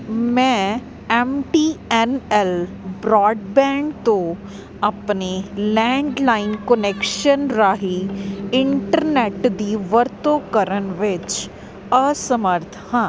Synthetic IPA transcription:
mɛ̃ː | ɛmʈiːɛnɛl | bɾɔːɖbɛ̃ːkt̪o | ɐpnelɛ̃ːɳɖlaːɪnkənekʃənɾaːɦiɪɳʈəɾneʈd̪iʋəɾt̪okəɾənʋɪt͡ʃ | əsəməɾt̪ʰhãː

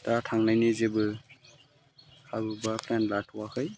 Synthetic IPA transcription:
tatʰaŋnajnɯzebɯ | habubapʰlɛnlatʰuwahɯj

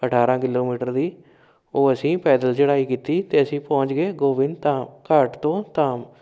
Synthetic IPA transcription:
əʈʰaːɾãːkɪloːmiːʈəɾd̪iː | oːəsĩːpɛːd̪əlt͡ʃəɽaːiːkiːt̪iːt̪eːəsĩːpɔ̃ːɲt͡ʃɡeːɡoːʋɪnt̪akəɾʈt̪õːt̪aːm

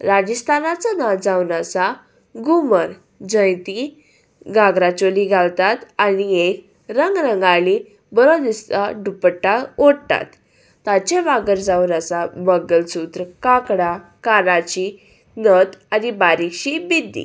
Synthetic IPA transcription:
ɾad͡ʑist̪anat͡sanad͡zawnat͡sa | ɡuməɾ | d͡ʑə̃jt̪i | ɡaɡɾat͡ɕoliɡʱalt̪at̪aniek | ɾəŋɡɾəŋɡali | bəɾod̪ist̪aɖupəʈːaoɽt̪a̰t̪ː | at͡ɕeʋaɡəɾd͡zaunat͡sabəɡəlsut̪ɾəkakɽakaɾat͡ɕi | nət̪aɾibaɾikɕibid̪ːḭ

